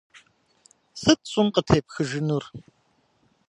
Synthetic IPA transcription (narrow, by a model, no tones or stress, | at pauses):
sɨt̚t͡sʼʊnqətʰeːpxɨʒɨnur